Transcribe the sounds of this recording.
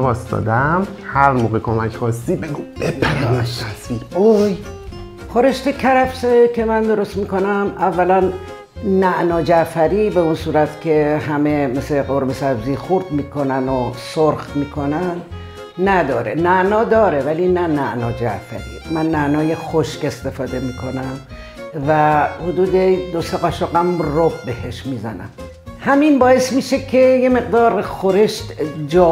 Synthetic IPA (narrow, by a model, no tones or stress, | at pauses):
vɒːsd̪ɒ̰ːd̪æm | hæɾmoːɣekʰomæcxɒːsːiːbeɡub̥epʰæɾdiʃt̪ʰæsviːd̪oj | xoɾe̞ʃt̪ekʰæɾæbsekʲʰemænd̪oɾo̞st̪miːko̞næmævːælænː | æʔnɒːd͡ʒæfæɾiːbe̞unsuːɾæt̪cʰe̞hæme̞meseqoɾbesæbziːxoɾd̪miːkʰonænosoɾxmiːkʰonæn | næd̪ɒːɾenæʔnɒːd̪ɒːɾevælinænæʔnɒːd͡ʒæ̰ʔfæ̰ɾḭːmænːæʔnɒːje̞xoʃke̞st̪e̞fɒːd̪e̞miːkʰo̞næm | væhod̪uːd̪e̞d̪oseɣɒʃoɡæmrob̚behe̞ʃmiːzæ̰næ̰m | hæminbɒːje̞smiːʃekʰe̞je̞me̞ɢd̪ɒːɾxoɾe̞ʃt̪d͡ʒɒː